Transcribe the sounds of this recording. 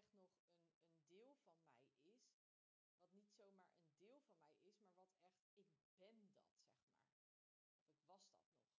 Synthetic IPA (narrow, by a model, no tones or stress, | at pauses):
ɛχtnɔχənəndɪːlˠvɑnmɛ̰jɪs | ʋɑtnitsowmaːɹʔə̰ndɪːlˠvɑnmɛjɪsmaːɹʋɑtɛχtɪk̚b̥ɛndɑ̰tsɛχma̰ːɹ | ɔfɪkʋɑsdɑ̰tnɔ̰χ